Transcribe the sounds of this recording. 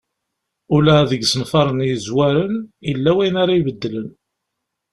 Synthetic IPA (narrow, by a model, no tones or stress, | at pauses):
ʊlæðəɡsənfɑɾˤənjəzwæɾənjəlːæwæjnaɾaibəd̪ːələn